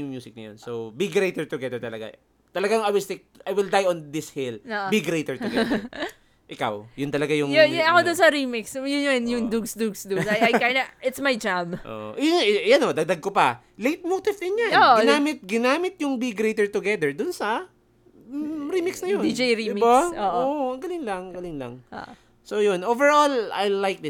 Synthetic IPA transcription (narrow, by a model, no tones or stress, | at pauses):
ʊŋmjuːsɪk̚nɐ̰jo̰nsobiɡɾejt̪ɛɹt̪ʊɡɛd̪ɛɹt̪ɐlɐɡa̰ | t̪ɐlɐɡaŋajwɪlst̪ejk̚ʔajwɪld̪ajɔnd̪ɪshiloʔbiɡɾejt̪ɛɹt̪ʊɡɛ | ʔɪka̰wjʊnt̪ɐlɐɡajʊŋʊʊɐkod̪ʊnsɐɾimɪksjʊnjonjʊŋd̪uɡsd̪uɡsd̪ʊsajajkaɪnɐʔɪt̪smɐjd͡ʒabʔo̰ʔo̰ʔjʊnjɐnod̪ɐɡ̚d̪aɡ̚kopɐ | lejt̪̚mot̪ɪvd̪ʊnjanoʔɡɪnaːmɪt̪̚ɡɪnaːmɪt̪̚jʊŋbiɡɾejt̪ɛɹt̪ʊɡɛd̪ɛɹd̪ʊnsɐ | ɾimɪksnɐjonid͡ʒejɾid̪imibaoːʔoʔɐɡɐlɪŋlɐŋɡɐlɪŋlɐ̰ŋʔo̰ʔ | sojʊnʔovɛɹola̰jlajk̚d̪ɪ